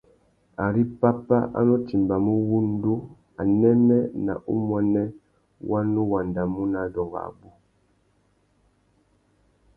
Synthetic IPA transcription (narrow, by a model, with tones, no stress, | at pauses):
a˨ɾi˦pa˦pa˦ʔa̰˦nɔ˦ti˨mba˨mu˦wu˦n˦du˦ | a̰˨nɛ˦nɛ˦na̰˨ʔṵ˦mwɛ˨nɛ˦ | wʔa˦nu˦wa˨nda˨mu˦na˨dɔ˨ŋɡa̰˨bu˦